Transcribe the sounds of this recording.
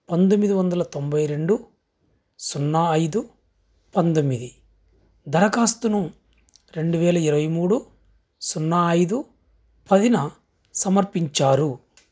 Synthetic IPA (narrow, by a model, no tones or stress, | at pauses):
pɐnd̪omːid̪iʋɐnd̪ɐlɐt̪o̞mbɐjɾe̞ɳɖu | sunːɐːjd̪u | pɐnd̪omːid̪i | d̪ʱɐɾɐkaːst̪unu | ɾe̞ɳɖuʋɛːlɐiɾɐʋɐjmuːɽu | sunːɐːjd̪u | pɐd̪inɐ | sɐmɐɾpiɲt͡ʃaːɾu